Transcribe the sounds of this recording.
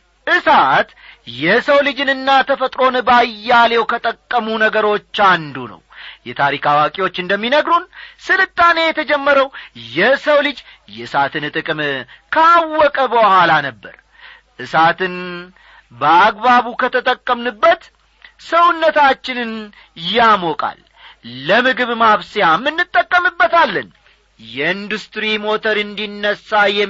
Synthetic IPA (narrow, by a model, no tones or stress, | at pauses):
ʔɨsat̪ | jɛsəwlɨd͡ʒɨnɨnːat̪ʰəfət̪ʼɾo̞nɨbajːale̞wkʰət̪ʼəkʼːəmunəɡəɾo̞t͡ʃːand̪unə̰wjɛt̪ʰaɾikʰawakʼiwo̞t͡ʃːɨnd̪əmːinəɡɾunsɨlɨt̪ʼːane̞jɛt̪ʰəd͡ʒɛmːəɾəwjɛsəwlɨd͡ʒjɛɨsat̪ɨnt̪ʼɨkʼɨm | kʰəawːɔkʼəbəhʷalanəbːə̰ɾ | ʔɨsat̪ʰɨn | bəaɡβaβukʰət̪ʰət̪ʼəkʼːəmnɨbːət̪ | səwʊnːət̪ʰat͡ʃːɪnɨn | jamokʼa̰lː | əmɨɡɨβmaβsijamːɨnːɨt̪ʼːəkʼːəmɨbːət̪alːən | jɛind̪ust̪ɾimo̞t̪ʰəɾɨnd̪inːəsːajɛ